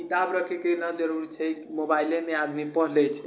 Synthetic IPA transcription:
kit̪abɾəkʰekenəd͡ʒəɾuɾt͡ʃʰɛkimobailemead̪mipəɦlɛt͡ʃʰɛ

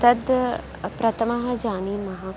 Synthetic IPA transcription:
t̪ɐd̪ | pɾɐt̪ʰɐmɐɦɐ̆d͡ʒaːniːmɐɦaː

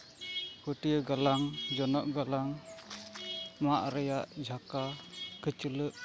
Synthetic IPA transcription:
kutiəɡalaŋd͡ʒɔnɔʔɡalaŋ | maʔɾəjaʔd͡ʒʱakakət͡ʃələʔ

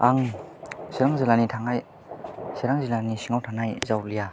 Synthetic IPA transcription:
aŋ | siɾaŋzilanitʰaŋaj | siɾaŋzilanisiŋawtʰanajzawlija

